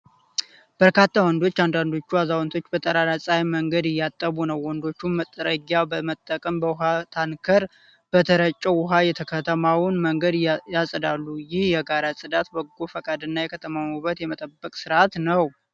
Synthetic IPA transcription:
b̥əɾkat̪ʰːawɔnd̪o̞t͡ʃːand̪and̪o̞t͡ʃːuazawnt̪ʰo̞t͡ʃːbət̪ʼəɾaɾasʼajməŋɡəd̪ɪjːat̪ʼːəbunəwːɔnd̪o̞t͡ʃːunmət̪ʼːəɾəɡabəmət̪ʼːəkʼəmbəwɦat̪ʰankʰəɾ | b̥ət̪ʰəɾət͡ʃʼːəwʊɦajɛt̪ʰəkʰət̪ʰəmawʊnməŋɡəd̪jasʼəd̪alːujɪhjɛɡaɾasʼɨd̪at̪bəɡːofəkʼad̪ɨnːajɛkʰət̪ʰəmawmuβət̪jɛmət̪ʼəbːəkʼsɨɾʔat̪nəw

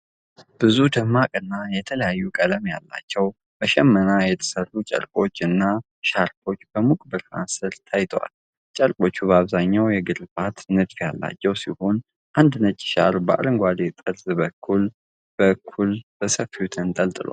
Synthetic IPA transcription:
b̥ɨzud̪ɨmːakʼɨnːajɛt̪ʰələjajːukʼələmja̰lːa̰t͡ʃːɛw | bəʃɛmːənajɛt̪ʰə̥sərːut͡ʃʼə̰ɾkʼo̞t͡ʃːɨnːa | ʃaɾt̪ʰo̞t͡ʃːb̥əmukʼbɨɾha̰nsɨɾt̪ʰajt̪ʰəwa̰l | t͡ʃʼəɾkʼo̞t͡ʃːubəaβzaɲːawjɛɡɨɾbat̪nɨɡfjalːa̰t͡ʃːɛwsiho̞n | ʔand̪nət͡ʃʼːʃa̰ɾbəʔa̰ɾɨŋɡʷad̪et̪ʼɨɾzɨbəkʰːul | b̥əkʰːulb̥əsəfiut̪ʰənt̪ʼəlt̪ʼɨlo̰

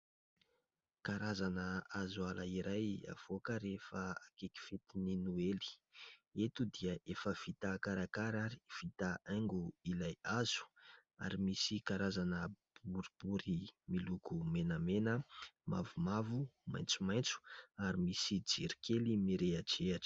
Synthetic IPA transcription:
kaɾazanəazualaiɾaja̰v̥okəɾefəakeki̥fet̪ininueli̥et̪ud̪iəʔefəv̥it̪akaɾakaɾaɾi̥v̥it̪aʔaŋɡuilajaz̥u̥ | a̰ɾimisikaɾazanəb̥uɾib̥uɾimilukumenəmenəma̰vumavuma̰jnt͡sumajnt͡su̥aɾimisid͡ziɾi̥kʰelimiɾeaʈ͡ʂeaʈ͡ʂ

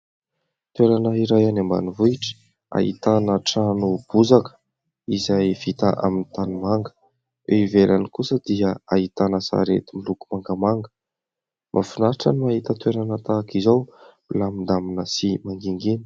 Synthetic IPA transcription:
t̪weɾanəiɾajanamba̰nivuiʈ͡ʂə̥ | a̰ɦḭt̪anəʈ͡ʂanub̥uzakə̥ | izajv̥it̪aʔa̰minit̪animaŋɡə̥ | weivelanikusəd̪iəaɦit̪anəsa̰ɾet̪imilukumaŋɡəmaŋɡə | mʔa̰finaɾʈ͡ʂanimaɦit̪ət̪weɾanət̪akizaw | ilamind̪aminəsimaŋɡiŋɡini̥

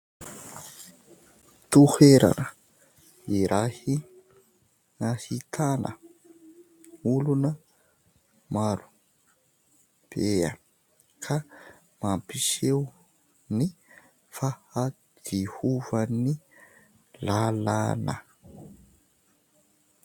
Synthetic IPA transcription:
t̪uheɾa̰nə | iɾahi | ŋahit̪ʰanʔə̰ | ulunə | maɾu̥ | b̥eə | kʰa | mampisew | ni | faha | d̪̥ihuvaəni | lalanə̰

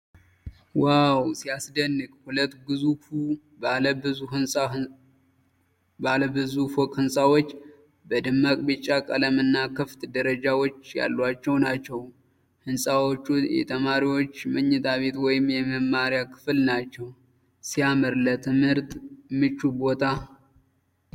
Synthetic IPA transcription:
wawsijasd̪ənːɨkʼhulət̪ːɡɨzufu | baləbɨzuhɨnsʼa | baləbɨzufokʼhɨnsʼawot͡ʃː | bəd̪ɨmːakʼbɨt͡ʃʼːakʼələmɨnːakʰɨft̪d̪əɾəd͡ʒawo̞t͡ʃːja̰lːwat͡ʃːɛwnat͡ʃːɛw | hɨnsʼawot͡ʃːujɛ̰t̪ʰəmaɾiwo̞t͡ʃːmɨɲːɨt̪ʰaβe̞t̪wɔjɪmːjɛməmːaɾjakʰɨ̥flnat͡ʃːɛw | sijaməɾlət̪ʰɨmhɨɾt̪ʼmɨt͡ʃʼːubo̞t̪ʰa

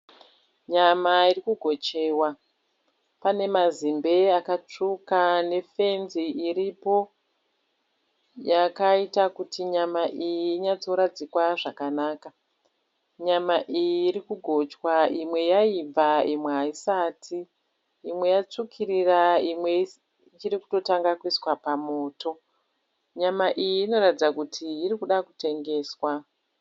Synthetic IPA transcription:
ɲamairikuɡʱo̞t͡ʃe̞ːwa | pane̞mazimbe̞akat͡ʂukane̞fe̞nziʔːɾipo̞ | jakaitakutiɲamaʔijiːɲad͡zo̞ɾad͡zikwaʐakanaːka | ɲamaʔijiːɾikuɡʱo̞t͡ʃwaimwe̞jaib͡vaimweɦaisaːtʰiː | mwe̞jat͡ʂukʰiɾiraimwe̞ | t͡ʃiɾiku̥to̞taŋɡakuiswapamo̞ːto̞ | ɲamaʔijiːno̞ratid͡zakutʰiːrikuɗakute̞ŋɡe̞ːswa

